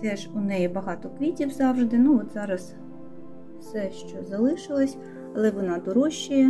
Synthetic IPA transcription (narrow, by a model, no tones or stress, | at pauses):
t̪ɛʃʊnɛjɛbɐɦɑt̪ɔkʋʲitʲiwzɑwʒd̪ɪnuɔt̪zɑɾɐs | wsɛʃt͡ʃɔzɐlˠɪʃɪlˠɔsʲ | ɐlˠɛʋɔnɑd̪ɔɾɔʃːijɛ